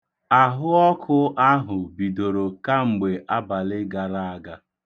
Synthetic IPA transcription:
a˨ɦʊ˦ɔ˦kʰʊ˦ʔa˦ɦʊ˨bi˨do˨ɾo˨ka˦ŋ͡m̩˨ɡ͡be˨ʔa˦ba˨lɪ˦ɡa˨ɾa˦a˨ɡa˦

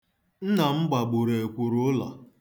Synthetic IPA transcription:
n̩˦na˨m̩˦ɡ͡ba˨ɡ͡bʊ˨ɾe˨e˨kʷu˨ɾʊ˦la̰˨

